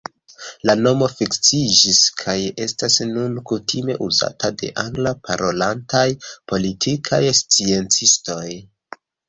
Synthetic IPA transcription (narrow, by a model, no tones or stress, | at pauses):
lano̞mo̞fikt͡sid͡ʒiskʰaje̞stasnunkutʰime̞̰ʔuza̰tade̞̰ʔaŋɡlapaɾo̞lantajpo̞litʰikʰajst͡sie̞nt͡sisto̞j